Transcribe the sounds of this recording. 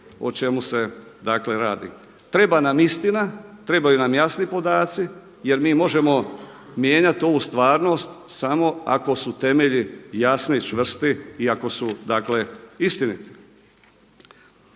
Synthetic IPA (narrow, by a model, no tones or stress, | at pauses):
o̰t͡ʃe̞muse̞d̪akle̞ɾaːd̪ḭ | t̪ɾe̞banamist̪inat̪ɾe̞bajunamjasnipo̞d̪aːt̪si | je̞ɾmiːmo̞ʒe̞mo̞ | mjeːɲat̪io̞ʋuːst̪ʋaːɾno̞st̪samo̞a̰ko̞sut̪e̞me̞ʎijasnit͡ʃʋr̩st̪iiako̞sud̪akle̞ist̪init̪i̥